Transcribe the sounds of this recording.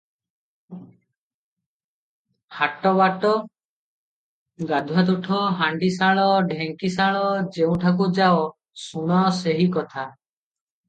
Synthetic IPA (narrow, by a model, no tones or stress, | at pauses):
haʈɔbaʈɔ | ɡad̪ʱuwat̪̬uʈʰɔɦaɳɖisaɭɔɖʱeŋkisaɭɔd͡ʒeũʈʰak̬ud͡ʒaɔ | suɽ̃ɔseɦikɔt̪ʰa